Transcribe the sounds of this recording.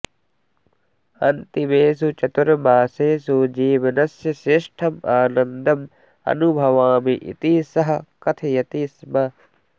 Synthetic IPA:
ɐ̰nt̪imeːs̬ut͡ʃɐt̪uɾɐbaːseːsud͡ʒiːʋɐnɐsjɐsɾɪʂʈʰɐmaːnɐnd̪ʱɐm | ɐ̰nubʱɐʋaːmiʔḭt̪isɐɦɐ̆kɐt̪ʰɐjɐt̪ismɐ

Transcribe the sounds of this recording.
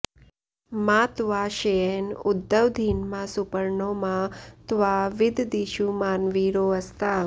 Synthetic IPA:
mãt̪ʋaʃejenʊd̪ːəʋd̪ʱiːnmãsupəɾɳomãt̪ʋaʋɪd̪ʱd̪iʃumaːnʋiɾoəst̪a

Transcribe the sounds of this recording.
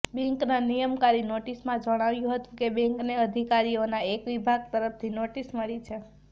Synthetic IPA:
bɛ̃ŋknanijəmkaɾinoʈismãd͡ʒəɽ̃aʋjũɦət̪ũkebɛ̃ŋkneəd̪ʱikaɾionaekʋibʱaɡ̚t̪əɾəft̪ʰinoʈisməɭit͡ʃʰe

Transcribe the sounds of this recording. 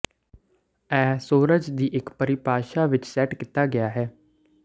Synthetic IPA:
ɛːsoːɾəd͡ʒd̪iːʔɪkpəɾɪpaːʃaːʋɪt͡ʃsɛːʈkɪt̪aːɡɪjaːɦɛː

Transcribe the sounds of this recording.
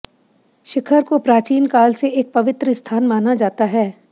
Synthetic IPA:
ʃɪkʰəɾkopɾaːt͡ʃiːnkaːlseeːk̚pɐʋɪt̪ɾəst̪ʰaːnmaːnad͡ʒaːt̪aɦɛː

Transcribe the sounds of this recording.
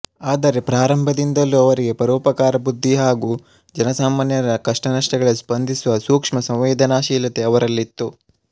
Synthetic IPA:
aːd̪ɐɾe̞pɾaːɾɐmbʱɐd̪ind̪ɐlːuɐʋɐɾiɡe̞pɐɾuːpɐkaːɾɐbud̪ʱːiɦaːɡuː | d͡ʒɐnɐsaːmaːnjɐɾɐkɐʂʈɐnɐʂʈɐɡɐɭsbɐnd̪ʱisuʋɐsuːkʂmɐsɐ̃wʋeːd̪ʱɐnaːʃiːlɐt̪e̞ɐʋɐɾɐlːit̪ːu

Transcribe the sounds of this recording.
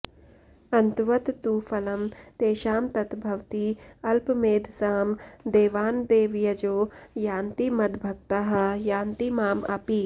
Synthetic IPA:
ɐnt̪ʋɐt̪t̪uːfɐlɐmt̪eːʃaːmt̪ɐt̪bʱɐʋt̪iɐlpmeːd̪ʱsaːmd̪eːʋaːnd̪eːʋjɐd͡ʒoːjaːnt̪imɐd̪bʱɐk̚t̪aɦɐjaːnt̪imaːmɐpi

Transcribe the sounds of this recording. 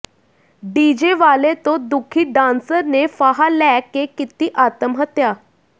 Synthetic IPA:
ɖid͡ʑeʋalet̪od̪ukʰiːɖãnsəɾnefaɦalɛkːekːit̪iːʔat̪əmɦət̪ja

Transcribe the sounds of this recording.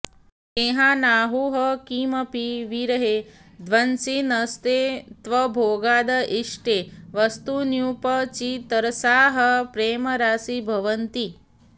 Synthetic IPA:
keːɦaːnaːɦuːɦɐkiːmɐpiʋiɾɐɦeːd̪ʋɐnsinɐst̪eːt̪ʋɐbʱoːɡaːd̪ɐʔiʂʈeːʋɐst̪unjupɐt͡ʃit̪ɐɾɐsaːɦɐpɾeːmɐɾaːsibʱɐʋɐnt̪i

